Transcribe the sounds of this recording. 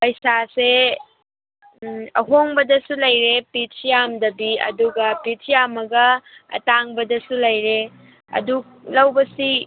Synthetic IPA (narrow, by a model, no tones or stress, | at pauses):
pɐjsase | ɐ̰ɦoŋbɐdɐsulɐjɾepitsijamdɐbiɐ̰duɡɐpitsijamɐɡɐɐ̰taŋbɐdɐsulɐjɾe | ɐ̰duk̚lɐwbɐsi